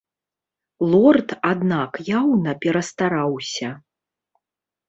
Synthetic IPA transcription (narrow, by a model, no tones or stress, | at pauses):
lˠɔrt̪ad̪nakjawnɐpʲɛɾɐst̪aɾawsʲɐ